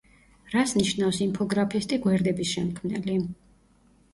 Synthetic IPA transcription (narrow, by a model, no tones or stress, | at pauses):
ɾasniʃnafsimpʰɔɡɾapʰist̪ʼiɡwɛɾd̪ɛbisʃɛmkʰmnɛli